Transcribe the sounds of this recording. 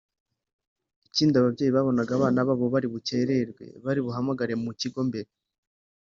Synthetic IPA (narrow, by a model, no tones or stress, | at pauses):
iciːndiaβabɟe̞ːjiβaβo̞naɡaːβaːnaβaβo̞βaɾiβuce̞ɾe̞ɾɡwe̞̰βaɾiβuɦamaɡaɾe̞muciɡo̞mbe̞ɾe